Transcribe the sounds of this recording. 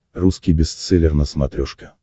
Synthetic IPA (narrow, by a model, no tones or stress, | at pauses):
ruskʲijbʲɪst̪sɛlʲɪrnəsmɐt̪ɾʲɔʂkə̥